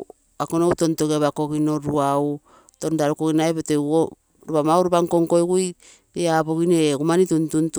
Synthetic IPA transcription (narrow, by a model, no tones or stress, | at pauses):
akonoutontokaβakokinoɾuau | tondaɾukokinaebetoo | ɾupamauɾubaŋkoŋkojkuj | eabokinekumanituntunt